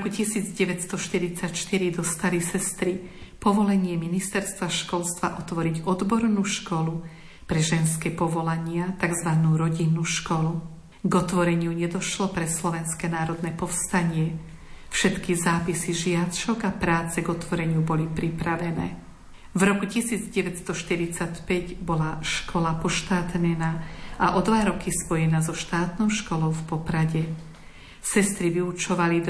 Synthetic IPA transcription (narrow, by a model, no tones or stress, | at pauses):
ɔkucisiːd͡zɟɛʋɛtst̪ɔʃt̪iɾit͡sacʃt̪iɾid̪ɔst̪alisɛst̪ɾipɔʋɔlɛɲɪɛminist̪ɛɾst̪ʋaʃkɔlst̪ʋaʔɔt̪ʋɔɾiɟɔd̪bɔɾnuːʃkɔlu | pɾɛʒɛnskɛpɔʋɔlaɲɪat̪aɡzʋanuːɾɔɟinːuːʃkɔlu | ɡɔt̪ʋɔɾɛɲɪuɲɛd̪ɔʃlɔpɾɛslɔʋɛnskɛnaːɾɔd̪nɛpɔfst̪aɲɪɛ | fʃɛt̪kizaːpisiʒɪaʃɔɡapɾaːt͡sɛɡɔt̪ʋɔɾɛɲɪubɔlipɾipɾaʋɛnɛ̰ː | vɾɔkucisiːd͡zɟɛʋɛtst̪ɔʃt̪iɾit͡sacpɛɟbɔlaʃkʰɔlapɔʃt̪aːt̪ɲɛnaːʔaʔɔd̪ʋaɾɔkispɔjɛnaːzɔʃt̪aːt̪nɔʊʃkɔlɔʊfpɔpɾaɟɛ | sɛst̪ɾiʋiut͡ʃɔʋali